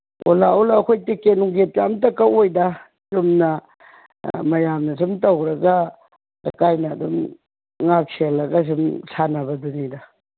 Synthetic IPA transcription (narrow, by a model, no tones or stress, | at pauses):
o̰laolaːkʰojtekenuŋɡepijamtɐkaʔojdɐ | jumnɐ | mɐjamnɐsumtɐwɾɐɡɐ | a̰kajnɐːdum | ŋak̚sʰelːɐɡɐsumsʰanɐbɐdunidɐ